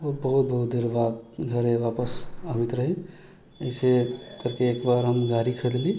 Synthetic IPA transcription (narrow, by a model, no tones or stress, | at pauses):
oːɾbəɦʊt̪̚bɐɦʊt̪̚d̪eːɾbaːt̪ɡʱəɾẽʋaːpəsaʋɪt̪ɾəɦẽ | əɪsekɐɾkeːkbaːɾɦɐmɡaːɾikʰəɽlli